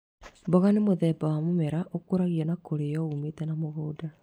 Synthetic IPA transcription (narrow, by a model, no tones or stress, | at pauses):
mboɣanemoðɛbawamomɛɾaʔokoɾaɣiɛnakoɾejɔumetɛnamoɣoːda